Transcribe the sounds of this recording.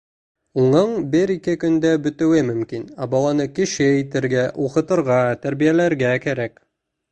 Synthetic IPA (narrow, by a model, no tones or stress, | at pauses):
uɴɤɴbɘɾikɘkɵ̆nd̪æbɵ̆t̪ɘ̆wɘmɵ̆mkinæbɑlˠɑnɤkiʃɘit̪ɘ̆ɾɡæʔuqɤ̆t̪ɤ̆ɾʁɑt̪æɾβijælæɾɡækæɾæk